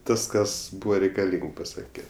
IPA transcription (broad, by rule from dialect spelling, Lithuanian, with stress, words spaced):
ˈtɐs ˈkɐs ˈbuːʋɐ rʲɛɪkɐˈlʲiːŋk pɐˈsɑːkʲɛ